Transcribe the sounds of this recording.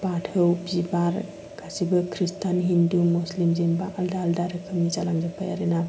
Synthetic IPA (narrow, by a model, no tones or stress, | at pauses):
batʰɯwbzibaɾ | kʰasibɯkʰɾistʰanɦindumuslimzinbaʔːldaːldaɾɯkʰɯmnizalaŋzɯpʰaja̰ɾena